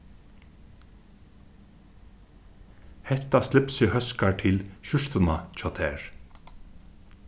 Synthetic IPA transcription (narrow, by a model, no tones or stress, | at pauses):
hɛt̪aslɪpsʏhœskaʈʰɪlʃʏʂt̪ənat͡ʃʰɔːt̪ʰɛːɹ